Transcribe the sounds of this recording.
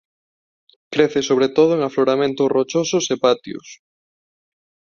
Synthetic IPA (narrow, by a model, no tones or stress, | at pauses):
kɾeθɪsoβɾet̪oð̞ʊeŋafloɾamẽnt̪ʊrot͡ʃosʊsepat̪iʊ̰s